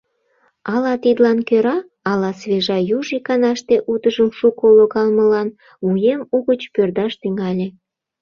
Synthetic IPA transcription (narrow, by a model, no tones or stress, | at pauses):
ɑlɑt̪id̪lɑnkøɾɑː | lɑsβeʒɑjuʒikɑnɑʃt̪eʔut̪əʒəmʃukoloɣɑlməlɑn | mujemuɣət͡ɕpørd̪ɑʃt̪yŋɑlʲe